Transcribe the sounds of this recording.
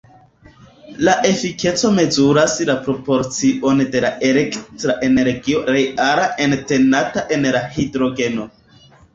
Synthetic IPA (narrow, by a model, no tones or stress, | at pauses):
laʔe̞fike̞t͡so̞me̞zuɾaslapɾo̞po̞ɾt͡siʔo̞nde̞laʔe̞le̞ktɾaʔe̞ne̞ɾɡio̞ɾejaɾaʔente̞nataʔe̞nlahidɾo̞ɡe̞no̞